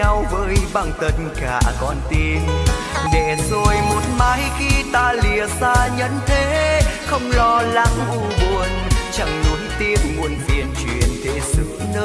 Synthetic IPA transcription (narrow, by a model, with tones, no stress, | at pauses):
a˧wvəː˨˦jɓa˧˩ŋt̪ə˧t̚ka̰ː˧˩kɔ˧˩nt̪i˧ən | ne˧˩zo˧jmo˨˥t̚maː˨˦jxi˧t̪aː˧li˨˩əsaː˧ɲə̰˧˦˥nt̪ʰe˨˦xə˧wŋ͡mlɔ˧la˨˦ŋʔu˧˩ɓu˧˩ənt͡ɕa˧˩ŋnu˨˦əjt̪i˧əmmu˧˩ənvḭ˧˨˩ənt͡ɕwḭ˧˨ənt̪ʰe˧˩˦sɨ̰˧˦nəː˧